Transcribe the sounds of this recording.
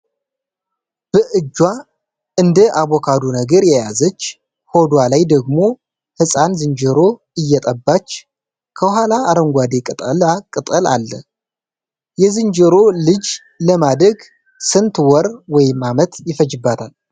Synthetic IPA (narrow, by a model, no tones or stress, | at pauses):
b̥əʔɨd͡ʒːwa | ʔɨnd̪əʔaβokʰad̪onəɡəɾjɛjazət͡ʃː | ho̞d̪walajd̪əɡmo̞ | hɨsʼanzɨnd͡ʒəɾo̞ | ɨjːɛt̪ʼəbːat͡ʃː | kʰəɦalaːɾəŋɡʷad̪ekʼɨt̪ʼəlakʼɨt̪ʼəla̰lːə | jɛzɨnd͡ʒəɾo̞lɨd͡ʒ | ləmad̪ɾəɡ | sɨnt̪wɔɾwɔjɪmːamət̪jɪfəd͡ʒɨbːat̪ʰal